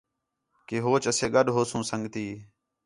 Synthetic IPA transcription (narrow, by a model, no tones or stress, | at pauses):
keːɦoːt͡ʃəseːɡɠəɗɦoːsũːsəŋɡt̪iː